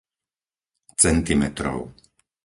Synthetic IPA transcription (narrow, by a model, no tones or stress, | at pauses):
t͡sɛnt̪imɛt̪ɾɔ̰ʊ